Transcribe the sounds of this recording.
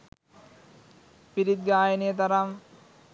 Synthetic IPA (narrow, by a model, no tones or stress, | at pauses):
piɾit̪̚ɡaːjɐnijɐt̪̬ɐɾam